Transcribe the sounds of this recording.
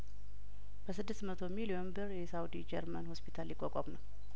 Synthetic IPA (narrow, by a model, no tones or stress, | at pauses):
b̥əsɨd̪ːɨst̪mət̪ʰo̞milionbɨɾjɛsawd̪id͡ʒɛɾmənhospʰit̪ʰaljɪkʼːɔkʼɔmnəw